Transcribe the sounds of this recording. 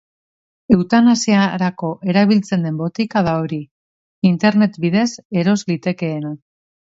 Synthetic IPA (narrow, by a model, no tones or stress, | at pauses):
e̞wt̪anasiaɾako̞ʔe̞ɾaβ̞ilt͡se̞nd̪e̞mbo̞t̪ikað̞aoɾi | int̪e̞ɾne̞t̪biðe̞se̞ɾo̞zlit̪e̞ke̞ːna